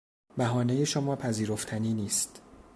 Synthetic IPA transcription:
bæɦɒːnejeʃomɒːpʰæziːɾoft̪ʰæniːniːst̪

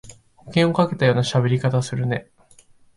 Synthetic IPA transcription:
hokẽɰ̃o̞kake̞t̪ajo̞ːnaɕabe̞ɾʲikat̪asɨɾɯ̟ne̞

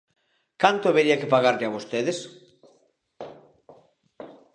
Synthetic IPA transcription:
kant̪oaβeɾiakepaɣaɾʎaβost̪eðes

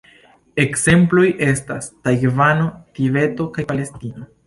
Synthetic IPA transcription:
e̞kse̞mplo̞jʔe̞stastajvano̞tibe̞to̞kajpale̞stino̞

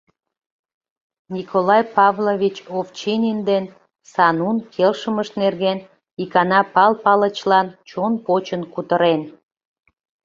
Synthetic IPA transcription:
nʲikʰolɑjpɑvlovʲit͡ɕoft͡ɕinʲind̪en | sɑnunkʰelʃəməʃnerɣen | ikɑnɑpɑlpɑlət͡ɕlɑnt͡ɕonpot͡ɕənkut̪əɾen

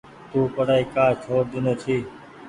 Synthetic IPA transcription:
t̪uːpəɽaːiːkaːt͡ʃʰoːɾd̪ɪnoːt͡ʃ̪ʰiː

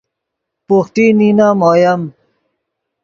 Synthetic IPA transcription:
puxʈininaːmoːjɐm

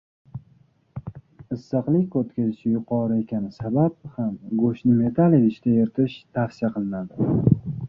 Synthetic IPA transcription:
ɪsːɨqlˠɪkʲkʰot̪kʲʰazɪʃɪjʊqʰɒɾɪe̞kʲʰanɪsabap̚hamɡoʃnɪme̞t̪ʰalˠed̪ɪʃt̪ʲajɪɾt̪ʰɪʃt̪ʰafsijaqʰɨlˠɪnad̪ɪ

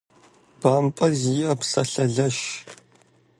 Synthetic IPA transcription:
b̥aːmpʼɐziɐpsɐɬɐɮɐʃ

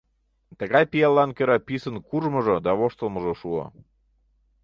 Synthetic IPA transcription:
t̪əɣɑjpijɑlːɑnkøɾɑpisənkuʒməʒod̪ɑβoʃt̪əlməʒoʃuo̰

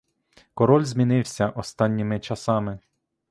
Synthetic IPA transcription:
kɔɾɔlʲzʲmʲinɪwsʲɐʔɔst̪ɑnʲːɪmɪt͡ʃɐsɑmɪ

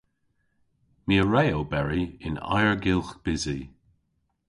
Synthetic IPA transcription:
miəɹɛːowbɛɹiɪna̰jəɹɡɪlˠxb̥ɪzi

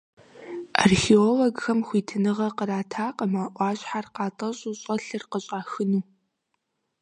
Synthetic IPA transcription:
a̰rxiolɐɡxɐmxʷiːtʰɨnɨʁɐqəɾaːtʰaːqəmaːʔʷɑːɕʼħarqɑːtʼɐɕʼuɕʼɐɬɨrqəɕʼaːxɨnuː

